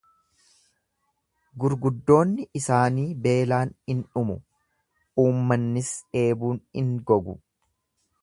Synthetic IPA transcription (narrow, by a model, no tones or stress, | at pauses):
ɡʊɾɡʊd̪ːo̞ːnːɪʔɪsaːniːbe̞ːlaːnɪnᶑʊmʊ | uːmːɐnːɪsᶑe̞ːbuːnɪŋɡɔɡʊ̰